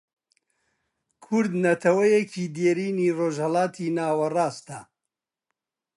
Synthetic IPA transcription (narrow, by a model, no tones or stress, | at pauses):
kʰʊɾd̪nɐt̪ʰɐwɐjecʰiːd̪eːɾiːniːroːʒhɐlɑːt̪ʰiːnaːwɐrɑːst̪ɐ